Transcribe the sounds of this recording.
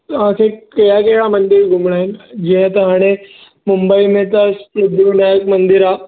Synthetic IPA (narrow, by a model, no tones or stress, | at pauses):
t̪ɐʋ̤ãkʰekɐjakɐɦɪɽamɐ̃nd̪ɪɾɡʱʊmɽ̃aːɦɪnɪ̆d͡ʑiə̃t̪ɐɦaːɽ̃e | mʊmbəimẽt̪ɐsɾʊb̪ʱɾonaːkmɐ̃nd̪ɪɾaː